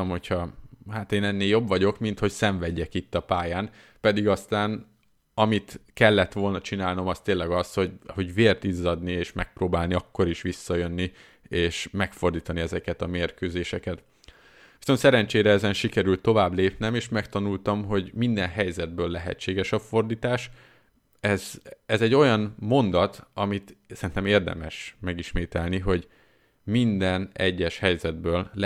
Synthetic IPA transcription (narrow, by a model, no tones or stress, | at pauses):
mho̞chɒhaːt̪eːnɛnːeːljo̞bʋɒɟo̞kmint̪ho̞csɛɱvɛɟːɛkit̪ːɒpaːjaːn | pɛd̪iɡɒst̪aːn | ɒmit̪kɛlːɛt̪ʋo̞lnɒt͡ʃinaːlno̞mɒst̪eːnlːɛɡɒsho̞ɟho̞ɟveːrt̪izːɒd̪nieːʃmɛk̚proːbaːlniɒkːo̞ɾiʃʋisːɒjø̞nːi | eːʃmɛkfo̞rd̪iːt̪ɒniɛzɛkɛt̪ɒmeːrkøːzeːʃɛkɛt̪ | ʋisonsɛɾɛnt͡ʃeːɾɛɛzɛnʃikɛɾylt̪ːo̞vaːbleːpnɛmeːʃmɛkt̪ɒnult̪ɒmɦo̞ɟmind̪ɛnɦɛjzɛd̪̚bøːlːɛɦɛ̰t͡ʃːeːɡɛʃɒfo̞rd̪iːt̪aːʃ | ɛzɛzɛɟːo̞jɒnmo̞nd̪ɒt̪ɒmit̪sɛɾint̪ɛmeːrd̪ɛ̰mɛʃmɛɡiʃmeːt̪ɛlniɦo̞ɟ | mind̪ɛnɛ̰ɟːɛʃhɛjzɛd̪̚bøːll